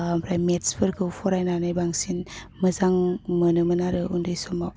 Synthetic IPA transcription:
pʰɾajmetspʰəɾɡʰɯwfʰɔɾajnanajbaŋsin | məzaŋmənɯmənaɾɯʔundɯjsɔmaw

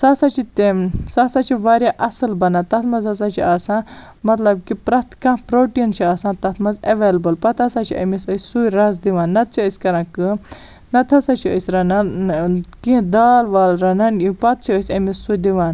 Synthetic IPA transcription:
saːsat͡ʃʰit̪esasat͡ʃʰiʋaɾʲjaʔɐsɨlbɐnat̪ɐt̪mɐzasat͡ʃʰiaːsãː | mɐt̪lɐb̚kipɾɐt̪kãːpɾoːʈint͡ʃʰiaːsãːt̪ɐt̪ʰmɐzɐʋeːlɐbɨlpɐt̪ʰasat͡ʃʰiʔɐ̰misəsʲsujɾɐzd̪iʋaːnːɐt̪̚t͡ʃʰiəsʲkɐɾãːkɨ | nɐt̪ʰɐsat͡ʃʰiəsʲɾɐna | kĩd̪aːlʋaːlɾɐnanipɐt̪̚t͡ʃʰiəsʲɐmisːujd̪iʋaːn

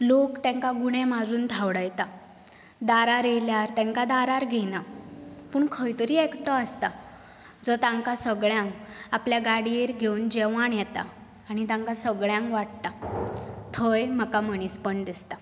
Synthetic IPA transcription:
lokt̪ɛ̃ŋkaɡuɽ̃emad͡zuːnd̪ʱawɽəjt̪a | d̪aɾaɾeljaɾt̪ɛ̃ŋkad̪aɾaɾɡʱenapuːɳkʰəjt̪əɾiːekʈɔəst̪a | d͡zɔt̪ãŋkasəɡɭjãŋkapljaɡaɽiːɾɡʱewnd͡ʑeʋaɳjɛt̪a̰ː | ɽ̃it̪ãŋkasəɡɭjãŋkʋaʈ̚t̪a | t̪ʰəjm̤əkam̤əñiːspəɳd̪ist̪a

